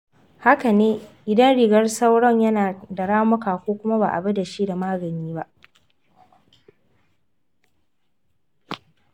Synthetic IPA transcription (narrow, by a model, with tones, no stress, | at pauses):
ha˦ka˨neː˦ʔɪ˨dɐ˦nɽɪ˨ɡɐ˦rsa˦wɽɔ˦ɲjɐ˦naː˨dɐ˨ɽaː˦mʊ˦kaː˨kʷoː˦kʷʊ˦ma˦ba̰ː˨ʔa̰˨bɐ˦da˨ʃiː˦da˨maː˦ɡɐ˨niː˦ba˦ʔ